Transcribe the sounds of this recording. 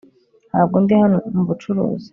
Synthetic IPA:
haːb̚ɡondihanomuβut͡ʃuɾo̰ːzi̥

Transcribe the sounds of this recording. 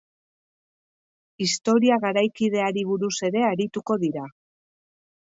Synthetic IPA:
ist̪o̞ɾiaɣaɾajkiðe̞aɾiβ̞uɾuse̞ɾe̞aɾit̪uko̞ðiɾa

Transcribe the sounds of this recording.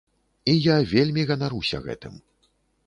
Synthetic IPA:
ijavʲelʲmʲiɣɐnaɾusʲɐ̰ɣɛ̰t̪ɨ̰m

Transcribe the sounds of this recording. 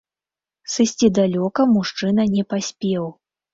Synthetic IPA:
sɨsʲt͡sʲid̪alʲɔkɐmuʂt͡ʂɨnɐnʲɛpasʲpʲɛw

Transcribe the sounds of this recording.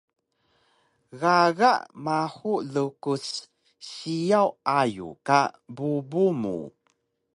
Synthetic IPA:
ɣaɣa̰ʔmaħulukus | ɕijawajṵkabubumṵ

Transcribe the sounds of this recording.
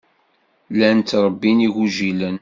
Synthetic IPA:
lænt̪ɾˤəbːiniʝuʒilən

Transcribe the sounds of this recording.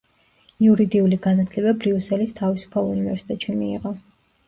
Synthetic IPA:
iuɾid̪iuliɡanat̪ʰlɛbabɾiusɛlist̪ʰavisu̥pʰalˠunivɛɾsi̥t̪ʼɛt̪ʃimḭːʁɔ

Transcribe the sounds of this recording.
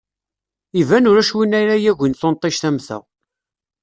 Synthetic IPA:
ivænʊɾæʃwinæɾæjæʝinθont̪ˤɪʃθæmθæ̰ʁ

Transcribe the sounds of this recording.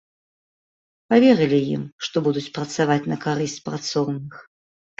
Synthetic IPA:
pavʲɛɾɨlʲijḭmʂt̪ɔbud̪ut͡sʲpɾɐt̪savat͡sʲnɐkaɾɨsʲt͡sʲpɾat̪sɔwnɨx

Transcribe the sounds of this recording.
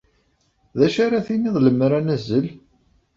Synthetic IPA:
ðæʃaɾaθinːiðˤləmːɾænæzːəl

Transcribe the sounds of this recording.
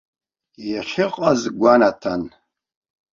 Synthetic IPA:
jaχʲɪqʼazɡʷanatʰan

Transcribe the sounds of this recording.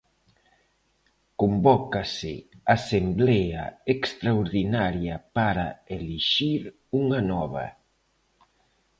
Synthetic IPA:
kombɔkasɪ̰asemblɛa̰ekst̪ɾaoɾðinaɾjapaɾaeliʃiɾ | uŋanɔβ̞ɐ̰

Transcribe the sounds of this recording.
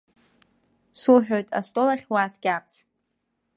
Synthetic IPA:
suħᶣojtʼa̰stʼolaχʲwasɡʲat͡sʰ

